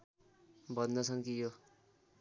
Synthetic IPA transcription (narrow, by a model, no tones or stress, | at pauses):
bʌnd̪ʌsʰʌŋkijo